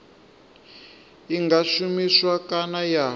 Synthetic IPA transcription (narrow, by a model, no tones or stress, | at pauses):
iŋɡaʃumiswakanaja